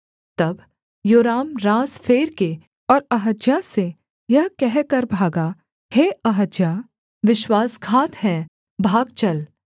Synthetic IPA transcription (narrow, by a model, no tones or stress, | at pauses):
t̪ɐb | joːɾaːmɾaːzfʰeːɾke | ɔːɾɐɦəd͡ʒjase | jɐɦkɛɦkɐɾbʱaːɡa | heːɐɦəd͡ʒjaː | ʋɪʃwaːskʰaːt̪ɦɛ̃ | bʱaːɡ̚t͡ʃɐl